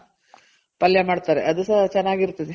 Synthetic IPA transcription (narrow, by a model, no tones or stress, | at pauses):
pɐljɐmaːɖt̪aːɾeʔɐd̪usɐt͡ʃɛnːaːɡiɾt̪ːid̪e